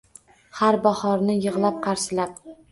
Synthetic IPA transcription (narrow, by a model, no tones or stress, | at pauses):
haɾbahɒɾnɪjɨʁlˠap̚qʰɑɾsɪlap̚